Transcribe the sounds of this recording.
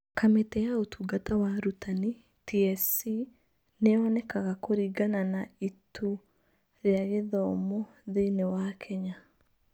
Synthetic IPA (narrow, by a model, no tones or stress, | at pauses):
kametɛjaotuɡatawaɾutʰani | tiɛsi | neɔnɛkaɣakoɾiːɡananaitʰu | ɾeaɣeðɔmɔ | ðeinewakʰɛɲa